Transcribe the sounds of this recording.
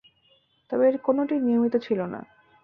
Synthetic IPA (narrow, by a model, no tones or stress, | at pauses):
t̪ɔbeeɾkonoʈinijomit̪ot͡ɕʰilona̰